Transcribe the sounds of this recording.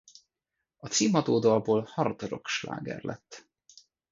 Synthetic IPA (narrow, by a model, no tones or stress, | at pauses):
ɒt̪siːmɒd̪oːd̪oɒboːlhɒrd̪oɾo̞̰kʃla̰ːɡɛ̰rlʔɛt̪ː